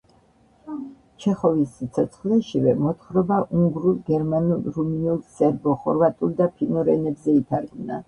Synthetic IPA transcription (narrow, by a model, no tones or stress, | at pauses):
t͡ʃʰɛχɔvist̪sʰɔt̪sʰχlɛʃivɛmɔt̪χɾɔbaʔuŋɡɾulˠɡɛɾmanulˠɾuminulˠsɛɾbɔχɔɾvat̪ʼulˠd̪apʰinɔɾɛnɛbzɛit̪ʰaɾɡna̰